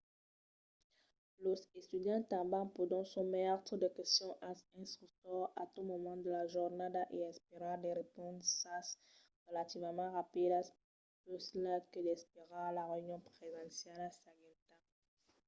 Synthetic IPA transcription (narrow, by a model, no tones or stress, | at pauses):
losest̪yd̪jɑ̃t̪ɑ̃bɑ̃pod̪ɔ̃sɔ̃mɛʁt̪χəd̪əkɛst̪jɔ̃ʔasɛ̃st̪χyk̚t̪ɔʁat̪umɔmɑ̃d̪əlaʒuʁnad̪aʔeɛ̃speʁãd̪eʁepɔ̃d̪sas | ʁəlat̪ivəmɑ̃ʁapid̪as | pøslakəd̪ɛspeʁalaʁeynjɔ̃pχevɛ̃sjalasaɡɛt̪a